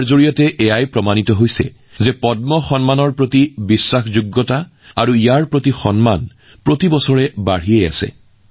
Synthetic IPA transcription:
ɹzoɹijɔtɛʔɛjajpɹɔmanitɔɦojsɛ̰ | zɛpɔd̚mɔxɔnmanɔɹpɹotibisːaxzuɡːɔta | aɹuijaɹpɹotixɔnman | pɹotibɔsɔɹɛbaɹ̤ijeja̰sɛ̰

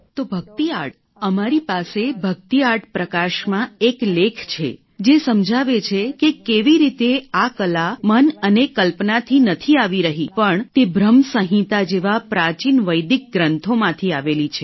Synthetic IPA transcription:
t̪obʱəɡt̪iaʈ̚ | əmaɾipasebʱək̚t̪iaʈpɾəkaʃmãeklekʰt͡ʃʰḛ | d͡ʒesəmd͡ʒʱaʋet͡ʃʰekekeʋiɾit̪eakəlamənənekəlpnat̪ʰinət̪ʰiaʋiɾəɦipəɳt̪ebɾəmsəɦĩt̪ad͡ʒeʋapɾat͡ʃinʋəjd̪ik̚ɡɾənt̪ʰomãt̪ʰiaʋelit͡ʃʰe

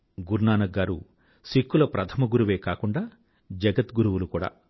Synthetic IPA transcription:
ɡuɾnaːnɐɡːaːɾṵ | sikːulɐpɾɐt̪ʰɐmɐɡuɾuʋe̞ːkaːkuɳɖaː | d͡ʒɐɡɐt̪ɡuɾuʋulukuːɽa̰ː

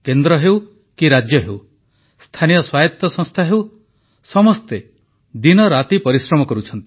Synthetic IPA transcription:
kend̪ɾɔɦew | kiɾad͡ʒjɔɦew | st̪ʰanijɔswajɔt̪ːɔsɔ̃ŋst̪ʰaɦew | sɔmɔst̪e | d̪inɔɾat̪ipɔɾisɾɔmɔkɔɾut͡ʃʰɔnt̪i̥

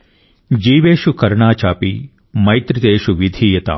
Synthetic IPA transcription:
d͡ʒiːʋeːʃukɐɾɳaːt͡ʃaːpi | mɐjt̪ɾɪt̪eːʃuʋid̪ʱiːjɐt̪a̰ː

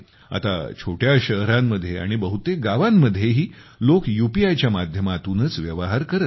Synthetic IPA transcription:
a̰t̪a̰t͡ɕʰoʈjaɕəɦɾamːəd̪ʱːjea̰ɽ̃ibəɦut̪eɡaʋamːəd̪ʱːjeɦiː | lokjupiajt͡ɕjamad̪ʱjəmat̪unət͡sʋjəʋɦaɾkəɾət̪

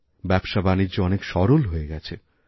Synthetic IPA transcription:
bɛbʃabanid͡ʑoɔnekʃɔɾolɦoeɡɛt͡ɕʰe

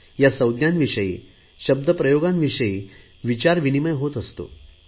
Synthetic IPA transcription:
jasəwd̪janʋiʂəjḭː | ɕəb̚d̪ʱəpɾəjoɡãnʋiʂəjiː | ʋit͡ɕaɾʋiniməjɦot̪əst̪o̰

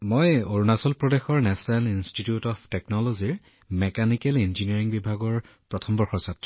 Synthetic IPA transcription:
mojoɹunasɔlpɹɔdexɔɹnɛsɔnalinstitiutɔpʰtɛknɔlɔziɹ | mɛkanikɛlinziniaɹiŋbibʱaɡɔɹ | pɹɔtʰɔmbɔɹxɔɹsatːɹɔ

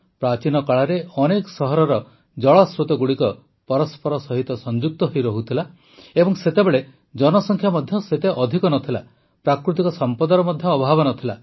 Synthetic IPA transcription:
pɾat͡ʃinɔkaɭaɾeɔnekɔsɔɦɔɾɔɾɔ | d͡ʒɔɭɔsɾut̪ɔɡuɽikɔ | pɔɾɔspɔɾɔsɔɦit̪ɔsɔnd͡ʒuk̚t̪ɔɦojɾɔɦut̪ʰila | ebɔŋset̪ebeɭe | d͡ʒɔnɔsɔŋkʰjamɔd̪ʱjɔset̪eʔɔd̪ʱikɔnɔt̪ʰila | pɾakɾut̪ikɔsɔmpɔd̪ɔɾɔmɔd̪ʱjɔːbʱabɔnɔt̪ʰila

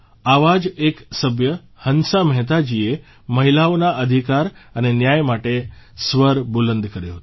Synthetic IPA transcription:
aʋad͡ʒeksəbjə | hənsamɦɛt̪̬ad͡ʒie | məɦilaonaʔəd̪ʱikaɾənenjajmaʈesʋəɾbulənd̪kəɾjoɦət̪

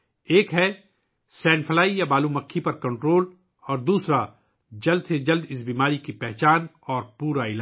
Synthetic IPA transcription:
eːkɦɛ | sɛːnfʰəlaːijabaːlũːmɐkʰːipɐɾkɐ̃ɳʈɾoːl | ɔːɾd̪uːsɾa | d͡ʒɐld̪sed͡ʒɐld̪ɪsbiːmaːɾikipɛɦt͡ʃaːn | ɔːɾpuːɾaɪlaː

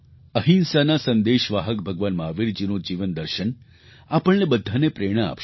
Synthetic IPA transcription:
əɦinsanasə̃nd̪eʃʋaːɦəkbʱəɡʋanmaːʋiɾd͡ʒinod͡ʒiʋənd̪əɾʃən | apəɳnebəd̪ʱːanepɾeɽ̃əa̰pʃ

